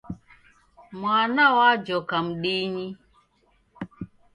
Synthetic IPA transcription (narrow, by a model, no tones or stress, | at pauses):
mwanawad͡ʒɔkam̩ɗiɲi